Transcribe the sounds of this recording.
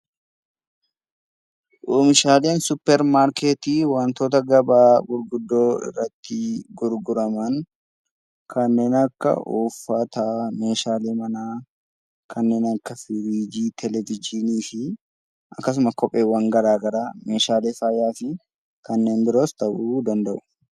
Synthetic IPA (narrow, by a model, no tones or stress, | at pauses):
ʔoːmɪʃaːle̞ːnsʊpːɛɾmaːɾkeːt̪iːwɐnt̪o̞ːt̪ɐɡɐbaːɡʊɾɡʊd̪ːoːɪ̰rːɐt̪ːɪɡʊɾɡʊɾɐmɐn | kʰɐnːe̞ːnɐkːɐ̰ʔuːfːat̪aːmeːʃaːleːmɐnaː | kʰɐnːe̞ːnɐkːɐfɪɾid͡ʒiːt̪ʰɛlɛvɪd͡ʒɪniːfɪ | ɐkːɐs̬ʊmɐkɔpʼːe̞ːwɐŋɡɐɾaːɡɐɾaːme̞ːʃaːleːfaːjaːfɪ | kɐnːe̞ːnbɪɾo̞ːst̪ɐʔuːd̪ɐnd̪ɐʔʊ̥